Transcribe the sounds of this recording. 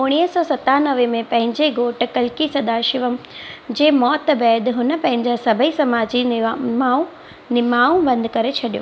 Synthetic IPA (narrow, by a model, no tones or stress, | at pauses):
ʊɽ̃iːɦəsɔːsɐt̪anɐʋemẽpɐ̃ɦɪ̃ɲd͡ʑeɡoːʈkɐlkisɐd̪aːʃɪʋəmd͡ʑeːmɔːt̪bɛːd̪ɦʊnəpɐ̃ɦɪ̃ɲd͡ʑasɐbʱəisɐmaːd͡ʑiaũ | nɪmaːũbɐ̃nd̪ɪkɐɾet͡ɕʰɐɗijo̰